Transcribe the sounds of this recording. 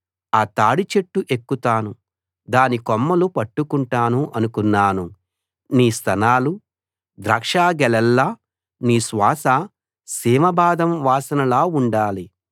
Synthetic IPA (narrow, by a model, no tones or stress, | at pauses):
aːt̪aːɽit͡ʃeʈːuʔe̞kːut̪aːnu | d̪aːnikɔmːɐlupɐʈːukuɳʈaːnuʔɐnukunːaːnu | niːst̪ʰɐnaːlu | d̪ɾɐːkʂaːɡɛlɛlːaː | niːsʋaːsɐ | siːmɐbaːd̪ɐmʋaːsɐnɐlaːuɳɖaːli